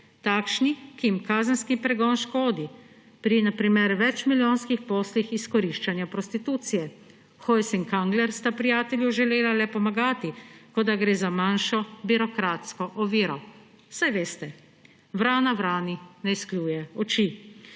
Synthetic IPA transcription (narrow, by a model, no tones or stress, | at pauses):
t̪aːkʃnikijimkaːzənskipɾɛɡɔːnʃkoːd̪i | pɾinapɾimeɾʋɛt͡ʃmiljoːnskixpoːslixiskɔɾiʃt͡ʃanjapɾɔst̪it̪uːt̪sijɛ | xɔjsiŋkaŋɡlɛɾst̪apɾijaːt̪ɛljuʒɛleːlalɛpɔmaɡaːt̪ikɔd̪aɡɾeːzamanʃɔbiɾɔkɾaːt̪skɔʔɔʋiːɾɔ | sajʋeːst̪ɛ | ʋɾaːnaʋɾaːninɛisklʲjuːjɛɔt͡ʃi